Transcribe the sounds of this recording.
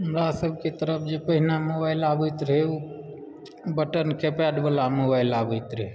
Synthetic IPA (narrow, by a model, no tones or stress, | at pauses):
ɦəmɾasəbʱket̪əɾəpʰd͡ʒepəɦinamobaɪlabəjt̪ɾɦeu | bəʈənkʰepɛɖbəlamobaɪlabəjt̪ɾəɦe